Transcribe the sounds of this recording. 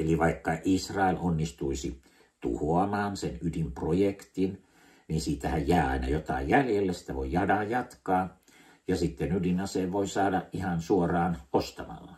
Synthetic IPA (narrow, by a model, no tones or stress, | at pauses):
eliʋɑikːɑʔisrɑelonːist̪uisi | t̪ṵhoɑmɑːnsenydimprojekt̪in | ninsiːt̪æhæjjæˑiɑ̰inɑ̰jot̪ɑ̰ˑijjæljelːesi̥t̪æʋo̰ijɑdɑjjɑt̪kɑː | jɑsit̪ːenydinɑseːʋʋoisɑːdɑʔʔihɑnsuorɑːnost̪ɑmɑ̰lːɑ